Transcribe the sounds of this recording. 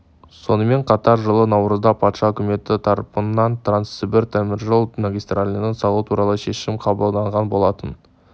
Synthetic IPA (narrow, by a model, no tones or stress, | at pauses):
so̞nəme̞ɴqʰɑt̪ɑɾʒəlˠənɑwɾəzd̪ɑpʰɑt̪ʃɑɵkʲɪme̞t̪ɪt̪ʰɑɾpənːɑnt̪ʰransɪbɪɾt̪ʰæmɪɾʒolˠmaɡʲijst̪ralʲinəɴsɑlˠut̪ʰuɾɑlˠəʃe̞ʃɪmqʰɑbəlˠd̪ɑɴʁɑnbo̞lˠɑt̪ən